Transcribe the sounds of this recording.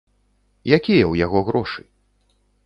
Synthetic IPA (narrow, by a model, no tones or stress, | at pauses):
jakʲijɐwjaɣɔɣɾɔʂɨ